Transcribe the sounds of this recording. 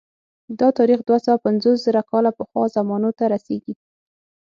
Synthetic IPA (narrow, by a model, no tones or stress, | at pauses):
d̪ɑt̪ɑɾixd̪wasawapanzos̬zəɾakɑlapəxwɑzamɑnot̪aɾaseɡi